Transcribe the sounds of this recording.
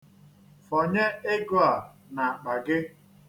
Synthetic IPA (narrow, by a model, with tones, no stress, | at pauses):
fɔ˨ɲe˦ɪ˦ɡʊ˦a˨ | na˨k͡pa˨ɡɪ˦